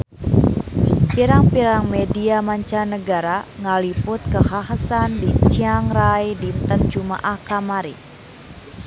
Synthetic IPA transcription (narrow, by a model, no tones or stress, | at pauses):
piɾaŋpiɾaŋmɛdiamaɲt͡ʃanəɡaɾaŋaliput̪̚kəhaɦasandit͡ʃiaŋrajdint̪ən̚t͡ʃuma̰ʔahkamaɾi